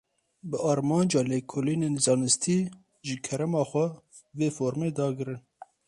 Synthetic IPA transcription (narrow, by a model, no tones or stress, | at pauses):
bɨɑːɾmɑːnd͡ʒɑːleːkʰoliːneːnzɑːnɨst̪ʰiː | ʒɨkʰɛɾɛmɑːxʷɛ | veːfoːɾmeːd̪ɑːɡɨɾɨn